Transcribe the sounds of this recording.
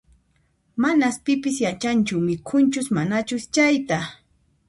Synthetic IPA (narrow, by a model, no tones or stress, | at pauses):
manaspɪpɪsjat͡ʃant͡ʃʊmɪkʰʊnt͡ʃʊsmanat͡ʃʊst͡ʃajt̪a